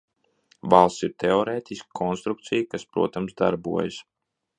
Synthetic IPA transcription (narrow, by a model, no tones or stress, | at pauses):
valˠssiɾt̪ɛɔɾeːt̪ʲiskkʰɔnst̪ɾuk̚t̪sijkaspɾṵɔt̪amsd̪a̰ɾbuɔjəs